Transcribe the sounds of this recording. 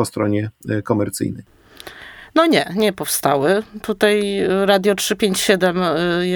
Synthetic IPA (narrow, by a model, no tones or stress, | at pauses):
ɔst̪ɾɔɲɛkɔmɛɾt̪sɘ̰jnɛj | nɔɲɛɲɛpɔfst̪awɘt̪ut̪ajɾad̪ʲjɔtʂɘpʲjeɲt͡ɕɕɛd̪ɛmj